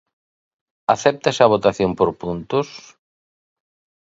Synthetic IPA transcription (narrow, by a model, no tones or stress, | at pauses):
aθɛp̚t̪esɐβ̞ot̪aθjompoɾpunt̪ʊs